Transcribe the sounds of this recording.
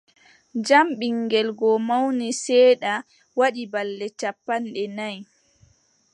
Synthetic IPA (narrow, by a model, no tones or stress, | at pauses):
d͡ʒamɓiŋɡɛlɡɔmawnisɛːɗa | waɗibalːɛt͡ʃapːanɗɛnaj